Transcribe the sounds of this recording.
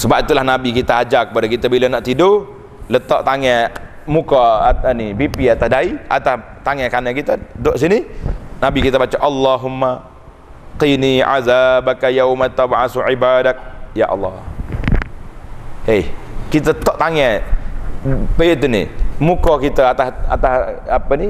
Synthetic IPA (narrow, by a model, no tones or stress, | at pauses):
səbap̚it̪ulahnabikit̪aad͡ʒakəpadakit̪abilanaʔt̪ido | lət̪ɔʔt̪aŋɛ | mukɔnibipiat̪asdaia̰t̪as | t̪aŋɛkanakit̪adoʔsininabikit̪abat͡ʃaʔɑlːɑɦumːa | qiniʕa̰ðabakajawmat̪ːabʕasuʕibadak̚ja̰ʔɑ̰lːɑ | ekit̪ət̪ɔʔt̪aŋɛ | pəiʔt̪unḭmukɔkit̪əat̪asa̰t̪asapəni